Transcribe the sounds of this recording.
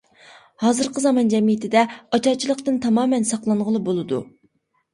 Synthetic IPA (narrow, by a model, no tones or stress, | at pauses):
hɑːzɨɾqʰəzɑmɑnd͡ʒɛmijɪt̪ʰɪd̪ɛɑt͡ʃɑt͡ʃʰilˠəqt̪ɨnt̪ʰɑmɑːmɛnsɑqlˠɑɴʁəlˠɨbolˠɨd̪ṵ